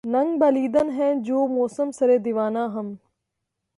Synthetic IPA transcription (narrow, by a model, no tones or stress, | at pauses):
nɐ̃ŋɡbɐliːd̪ənɦɛ̃ːd͡ʑoːmɔːsəmsɐɾeːd̪ɪʋaːnãːɦɐm